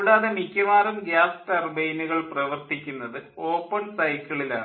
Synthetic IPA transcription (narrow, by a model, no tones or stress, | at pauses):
ɽaːðemikʲːumaːɾumɡjaːst̪ɐrbejnuɣɐɭprɐʋɐrt̪ikʲːunːɐðɨo̞ːpːɐɳsɐjkːɐɭila̰ːɳɨ